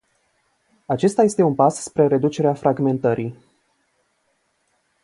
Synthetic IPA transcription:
at͡ʃe̞st̪ajest̪e̞unpasspɾe̞ɾe̞d̪ut͡ʃe̞ɾeafɾaɡme̞nt̪əɾʔij

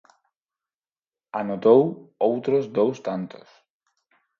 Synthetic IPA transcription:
anot̪owowt̪ɾozd̪owst̪ant̪o̥s

